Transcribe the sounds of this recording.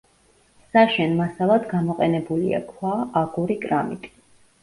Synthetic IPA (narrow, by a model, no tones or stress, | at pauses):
saʃɛnmasalˠad̪ɡamɔqʼɛnɛbulḭa̰kʰwaaɡuɾikʼɾamḭt̪ʼi̥